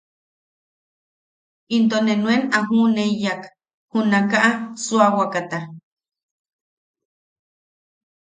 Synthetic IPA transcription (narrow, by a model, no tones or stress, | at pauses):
int̪onenwenaɦuneijak | hunakaʔasuawakat̪a